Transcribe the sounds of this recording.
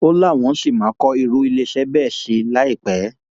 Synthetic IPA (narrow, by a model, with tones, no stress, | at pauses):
o˦la˦˨w̃ɔ̃˨˦si˦˨mã˨˦kɔ˦i˧ɾu˧i˧le˧˦ʃɛ˨˦bɛː˦˨ʃi˧la˦i˦˨k͡pɛ˨˦